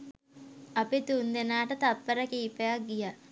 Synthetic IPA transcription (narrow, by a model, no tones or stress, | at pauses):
ɐpit̪und̪enaːʈət̪at̪̚pəɾəkiːpejak̚ɡija